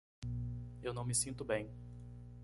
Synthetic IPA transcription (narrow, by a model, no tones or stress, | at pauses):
ewnɐ̃w̃mɪsĩnt̪ʊbẽj̃